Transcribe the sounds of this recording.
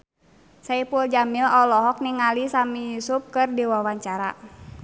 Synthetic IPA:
saipuld͡ʒamilɔlɔɦɔk̚niŋalisamijusup̚kɨrdiwawaɲt͡ʃaɾa̰

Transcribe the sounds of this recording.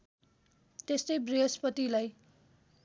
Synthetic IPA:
t̪est̪ʌjbriɦʌspʌt̪ilaj

